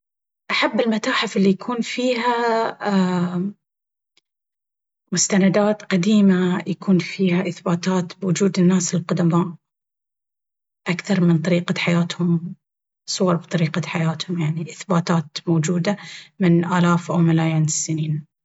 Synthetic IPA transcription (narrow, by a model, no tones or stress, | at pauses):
ʔaħabːɪlmat̪aːħɪfɪlːijakʰuːnfiːɦa | mʊst̪anad̪aːt̪qad̪iːmajakuːnfiːhaʔɪθbaːt̪aːt̪bwʊd͡ʒuːd̪ɪnːaːsɪlqʊd̪amaːʔ | ʔakθɑɾˤmɪnt̪ˤɑɾiːqaħajaːt̪hʊm | sˤʊwɑɾˤbt̪ˤɑɾiːqaħajaːt̪hʊmjaʕniʔɪθbaːt̪aːt̪mowːd͡ʒuːd̪amɪnʔaːlaːfʔawmalaːjiːnɪsːɪniːn